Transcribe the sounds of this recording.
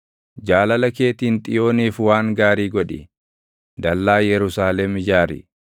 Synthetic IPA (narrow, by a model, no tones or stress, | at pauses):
d͡ʒaːlɐlɐke̞ːt̪iːnt̪ʼɪjo̞ːniːfwaːŋɡaːɾiːɡɔᶑɪ | d̪ɐlːaːjɛɾʊsaːlɛmɪd͡ʒaːɾɪ̰